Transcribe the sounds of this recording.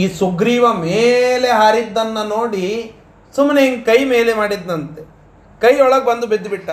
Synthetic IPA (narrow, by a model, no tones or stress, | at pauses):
iːsuɡɾiːʋɐmeːle̞ɦaːɾid̪ːɐnːɐnoːɽi | sumneiŋɡkɐjme̞ːle̞maːɽid̪ːɐnt̪e | kɐjɔɭɐɡ̚bɐnd̪ubid̪ːbiʈːɐ